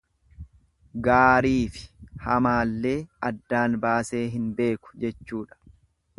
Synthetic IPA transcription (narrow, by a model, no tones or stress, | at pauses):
ɡaːɾiːfɪ̥hɐmaːlːe̞ːɐd̪ːaːnbaːse̞ːɦɪnbe̞ːkʊ̥d͡ʒɛt͡ʃːuːᶑɐ̥